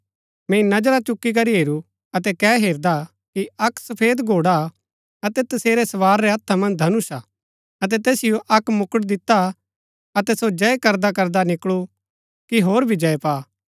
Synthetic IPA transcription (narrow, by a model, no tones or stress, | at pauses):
mɛ̃ːĩnɐd͡ʒɾat͡ʃʊkːik̬ɐɾiɦeːɾu | ɐt̪̬ɛkɛːɦeːɾd̪a | kiɐksɐpʰeːd̪ɡʱoːɽa | ɐt̪ɛt̪ɐseːɾesɐʋaːɾːeɐt̪ʰːamɐ̃nd̪ʱɐnʊsa | ɐt̪̬ɛt̪eːsɪjoʔɐkmʊkəʈd̪ɪt̪ːa | ɐt̪ɛsod͡ʒɐekɐɾd̪akɐɾd̪anɪkɭu | kiɦoːɾbʱid͡ʒɐepaː